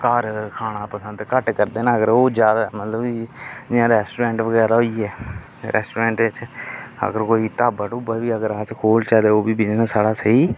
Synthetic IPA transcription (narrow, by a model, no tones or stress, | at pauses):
kaːɾkʰaːɽ̃aːpəsə̃nd̪kəʈkəɾd̪eːnãːəɡəɾoːd͡ʒjaːd̪amət̪ləbid͡ʒɪãːɾɛːsʈuːɾɛ̃ːɳʈʋəɡɛːɾaːɦoːiːɛː | ɾɛ̰ːsʈuːɾẽːɳʈːt͡ʃə̰ɡəɾkoːiːt̪aːbaːʈʊbaːʋiːəɡəɾaːt͡ʃkʰoːlt͡ʃaːd̪eːoːbiːbɪd͡ʒnãːsaːɽaːsəiː